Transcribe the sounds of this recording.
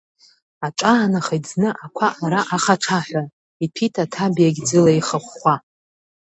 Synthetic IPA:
aʈ͡ʂʼaːnaχajd͡znɨʔakʷʰaʔaɾaʔaχaʈ͡ʂʰaħʷᶣa | ipʰitʰatʰabijaɡʲd͡zɨlaiχaχʷːa

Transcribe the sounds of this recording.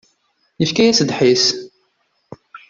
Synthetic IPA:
jəfkæjæsd̪ħis

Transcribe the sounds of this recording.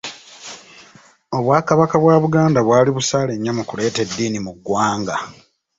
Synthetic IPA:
o̞βwaːkaβakaβwaːβuɡaːndaβwaːliβusaːle̞ɲːamukule̞ːte̞dːiːnimuɡːwaːŋɡa

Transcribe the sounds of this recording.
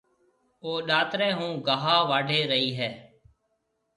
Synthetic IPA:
oːɗaːt̪ɾɛ̃ːɦũːɡaːɦaːʋaːɖʱeːɾəiːɦɛː

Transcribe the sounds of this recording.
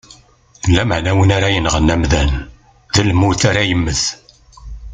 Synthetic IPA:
lːæməʕnæwənaɾajənʁənːæmðæn | ðælmuθaɾæjəmːəθ

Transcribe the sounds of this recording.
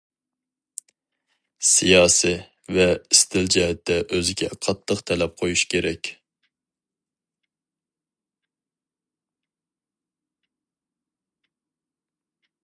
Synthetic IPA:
sijɑːsi | vɛist̪ʰɪld͡ʒɛɦɛt̪ʰːɛʔøzɪɡʲɛ̰qʰɑt̪ʰːəqt̪ʰɛlɛp̚qʰojuʃkʲʰeɾɛkʲ

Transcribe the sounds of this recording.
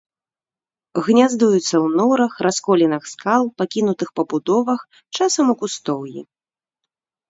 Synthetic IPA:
ɣnʲazd̪ujut̪sːɐwnɔɾɐxɾʔaskɔlʲinɨxskalˠpakʲinut̪ɨxpɐbud̪ɔvɐx | t͡ʂasɐmukust̪ɔwjḭ

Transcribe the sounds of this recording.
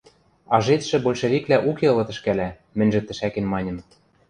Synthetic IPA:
ɑʒet̪ʃɘ̆bolʲʃevʲiklæʔukeɤ̆lɤ̆t̪ɘ̆ʃkælæ | mɘ̆nʲʒɘ̆t̪ːɘ̆ʃækĕnmɑnʲɤ̆m

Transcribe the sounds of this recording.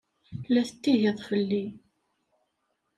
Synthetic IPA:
lːæθət̪ːiɦeðˤfəlːi

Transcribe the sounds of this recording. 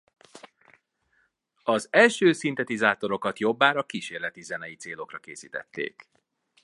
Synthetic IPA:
ɒzɛlʃøːsint̪ɛt̪izaːt̪o̞ɾo̞kɒt̪jo̞bːaːɾɒkiʃeːrlɛt̪izɛnɛjit̪seːlo̞krɒkeːsiːt̪ɛ̰t̪ːḛːk

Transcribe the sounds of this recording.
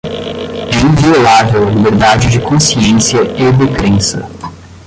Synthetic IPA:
ɛĩviolavewɐlibeɾd̪ad͡ʒɪd͡ʒɪkõsiẽsiɐed̪ekɾẽsɐ̰

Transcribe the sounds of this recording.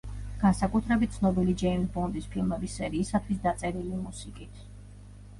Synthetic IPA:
ɡ̥ansakʼut̪ʰɾɛbit̪̚t̪sʰnɔbilid͡ʒɛimsbɔnd̪ispʰilˠmɛbisːɛɾiːsat̪ʰwisd̪at̪sʼɛɾilimusikʼit̪ʰ

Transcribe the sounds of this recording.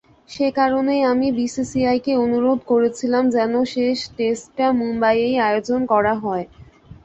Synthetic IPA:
ʃekaɾonejamibisisiajkeonuɾod̪ʱkoɾet͡ɕʰilamd͡ʑɛnoʃeʃʈesʈʈamumbajejaod͡ʑonkɔɾaɦɔe

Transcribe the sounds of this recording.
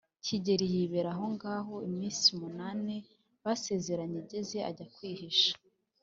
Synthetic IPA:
ciɟe̞ɾijiːβeɾaɦo̞ŋɡaːɦo̞imiːnsimunaːne̞ | βase̞ːze̞ɾaɲeɟe̞ze̞a̰ɟakwiːhiʃḁ

